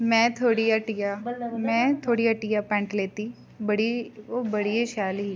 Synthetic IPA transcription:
mɛ̃ːt̪ʰoːɽiːaʈijaːmɛ̃ːt̪ʰoːɽiːəʈijaːpɛ̃ːɳʈleːt̪iː | bəɽioːbəɽieʃaːlɦiː

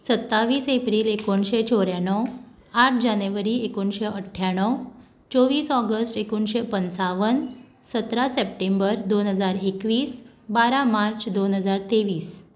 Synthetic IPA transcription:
sət̪ːaʋiːsepɾiːlekoɳɕet͡sʰɔɾjaɳɔw | aʈ̚ʰd͡ʑaneʋəɾiekonɕeəʈʰːjaɳəw | t͡soʋiːsɔɡəsʈekonɕepənsaʋən | sət̪ɾasep̚ʈembəɾd̪onɦəd͡zaɾekʋiːs | baɾamaɾt͡ɕd̪onɦəd͡zaɾt̪eʋiːs

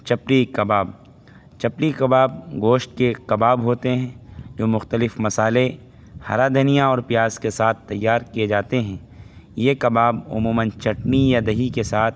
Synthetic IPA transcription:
t͡ʃɐpɾikɐbaːb̚ | t͡ʃɐpɽikɐbaːb̚ɡoːʃʈ̚kekɐbaːbɦoːt̪eɦɛ̃ːd͡ʒoːmʊxt̪əlɪfmɐsaːle | hɐ̰ɾad̪ʱənijãɔːɾpijaːzkesaːt̪̚ʰt̪ːɐjːaːɾkied͡ʒaːt̪eɦɛ̃ː | jekɐbaːbʊ̰muːmə̃nt͡ʃɐʈnijad̪ɐɦikesaːt̪ʰ

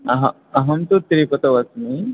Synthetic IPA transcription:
ɐɦɐ | ɐɦɐmt̪ut̪ɾipɐt̪ɐʋɐsmi

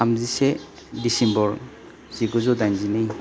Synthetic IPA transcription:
amzise | disimbɔɾ | ziɡɔzɔdajnzinɯj

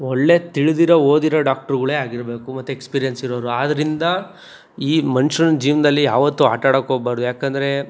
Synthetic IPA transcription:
ɔɭːe̞t̪iɭid̪iɾɐo̞ːd̪iɾɐɖaːk̚ʈɐɾɡɐɭeaːɡiɾbe̞ːkumɐt̪ːuekspiːɾijɐnsiɾoːɾuaːd̪ɐɾind̪ɐ | iːmɐnuʃɐnɐd͡ʒiːʋnɐd̪ɐlːijaːʋɐt̪ːua̰ːʈaːɽɐkoːbaːɾd̪ujaːkend̪ɐɾe̞

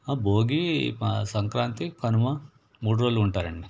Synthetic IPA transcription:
ɐbʱoːɡisɐŋkɾaːnt̪ipʰɐnumɐ | muɽɾɐlːuɳʈaːɾeɳme

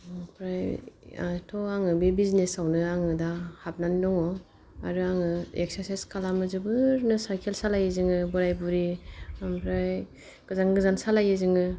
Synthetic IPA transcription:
pʰɾaj̰ | tʰɔaŋɯbibiznesawnɯaŋɯdahap̚nandɔŋɔ | a̰ɾɯaŋɯḛksaɾsajskʰalamɯzɯbɯɾnɯsajkʰelsalajɯzɯŋɯbɔɾajbuɾiaŋpʰɾaj | ɡ̥ɯzanɡɯzansalajɯzɯŋɯ

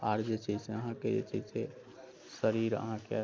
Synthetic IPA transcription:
aɾd͡ʒət͡ʃʰiseəɦãked͡ʒḛt͡ʃise | səɾiɾə̰ɦãke

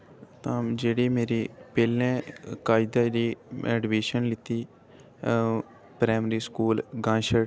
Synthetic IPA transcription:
t̪ãːd͡ʒeːɽiːmeːɾiːpeːlẽːkaːɪd̪aːɾiːɛːɖʋeːʃənlɪt̪iː | pɾaːmɾiːskuːlɡãːʃəɽ

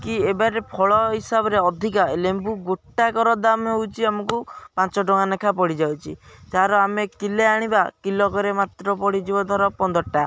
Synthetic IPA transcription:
kiebaɾepʰɔɭɔɦisabɔɾeɔd̪ʱikaelembuɡoʈːakɔɾɔd̪amɦowt͡ʃʰiamɔkupãnt͡ʃɔʈɔŋanekʰapɔɽid͡ʒawt͡ʃʰid͡ʒaɾɔamekileaɽ̃ibakilɔkɔɾemat̪ɾɔpɔɽid͡ʒibɔd̪ʱɔɾɔpɔnd̪ɔɾɔʈa

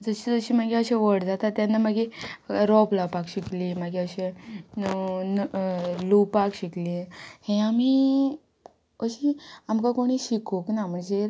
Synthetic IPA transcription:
d͡zəɕid͡zəɕiːm̤əɡeəɕẽʋəɽd͡zat̪at̪ːjanːaməɡeɾɔplapakɕiklimaɡeəɕe | lupakɕiklihẽami | əɕiamkakoɽ̃iːɕikoknam̤əɳd͡ze

